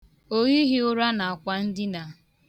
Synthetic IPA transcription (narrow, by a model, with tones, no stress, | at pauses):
o˦ɣi˦ɦɪ˦ʊ˦ɾa˦na˨a˨kʷa˦n̩˦dɪ˦na˨